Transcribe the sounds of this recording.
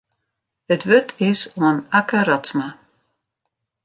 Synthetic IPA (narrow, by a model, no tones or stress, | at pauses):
ətʋøtʰɪsɔmənakaɾatsma